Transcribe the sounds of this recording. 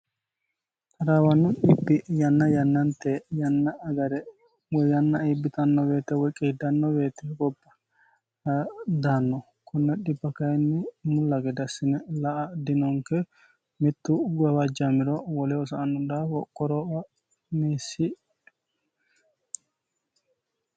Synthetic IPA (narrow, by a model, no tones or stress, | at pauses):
k̪ɐɾawɐnːʊɗɪbːɪjɐnːɐjɐnːɐnt̪ːɛjɐnːɐːɡɐɾɛ | wɔjɐnːɐibːɪt̪ɐnːɔbe̞ːt̪ɛwɔjkʼːeːd̪ɐnːɔbe̞ːt̪ɛɡɔbːɐ | d̪aːnːɔ | kʰʊnːɛɗɪbːɐkɐjɛnːɪmʊlːɐɡɛd̪ɐsːɪnɛlɐʔɐd̪ɪnɔŋkɛ | mɪt̪ːʊɡɐwad͡ʒamɪɾɔwɔlɛɔsɐːnːʊd̪awɔkʼːɔɾɔ | meːsːɪ